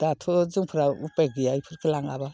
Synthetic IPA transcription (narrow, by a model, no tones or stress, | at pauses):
d̥atʰɔzɯŋpʰɯɾaupeɡijajpʰɯɾkʰɯlaŋa̰ba